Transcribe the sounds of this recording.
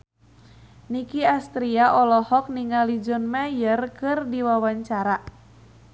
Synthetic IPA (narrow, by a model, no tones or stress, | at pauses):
nikiast̪ɾiaʔɔlɔhɔk̚niŋalid͡ʒɔnmajərkɨrdiwawaɲt͡ʃaɾa